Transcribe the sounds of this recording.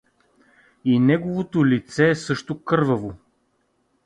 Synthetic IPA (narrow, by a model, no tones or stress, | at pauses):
inɛɡovot̪olit̪sɛːsɤʃt̪okɤɾvɐvo